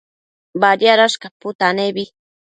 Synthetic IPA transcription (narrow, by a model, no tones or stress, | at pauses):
baɾjaɾaʃkapʊt̪anebi